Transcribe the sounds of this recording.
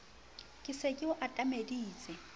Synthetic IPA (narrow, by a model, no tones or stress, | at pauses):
kʼɪsekʼɪʊʔatʼamediːt͡sʼɛ